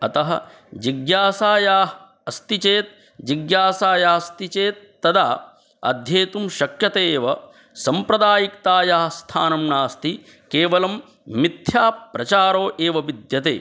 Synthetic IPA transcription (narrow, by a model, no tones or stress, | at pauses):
ɐt̪ɐɦɐ̰̆ | d͡ʒiɡjaːsaːjaː | ɐst̪it͡ʃeːt̪̚ | d͡ʒiɡjaːsaːjaːɐst̪it͡ʃeːt̪ːɐd̪aː | ɐ̰d̪ʱjeːt̪umʃɐkjɐt̪eːʋɐ | sɐmpɾɐd̪aːjikt̪aːjaːɐst̪ʰa̰ːnɐmɳaːst̪i | keːʋɐlɐmː | it̪ʰjaːpɾɐt͡ʃaːɾoːʔeːʋɐʋid̪jɐt̪ḛː